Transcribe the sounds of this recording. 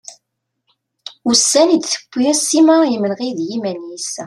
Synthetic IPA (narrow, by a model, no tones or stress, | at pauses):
usːænid̪θə̥kʷːiæsːimaimənʁiðjimænis